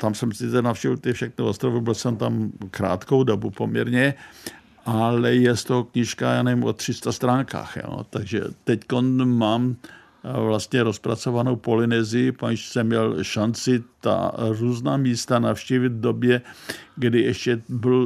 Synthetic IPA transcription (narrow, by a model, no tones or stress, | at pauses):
t̪amsɛmsɪt͡sɛnafʃcɛvɪlt̪ɪfʃɛxnuʔost̪ɾovubɪlsɛmt̪amkɾa̰ːt̪kowdo̞bupo̞mɲɛ̰ɾɲɛ | ʔalɛjɛst̪oɦokɲɪʃkajaːnɛvɪmʔo̞̰t̪r̝̥ɪst̪ast̪ɾaːŋka̰ːxjo̰t̪aɡʒɛ̰t̪ɛcko̞nmaːm | vlast̪ɲɛɾo̞spɾa̰t͡so̞vanowpo̞lɪnɛzɪɪpaʃsɛmɲɛlʃant͡sɪt̪a̰ruːznaːmiːst̪anafʃciːvɪd̪vdo̞bjɛɡdɪʔɛʃcɛbɪl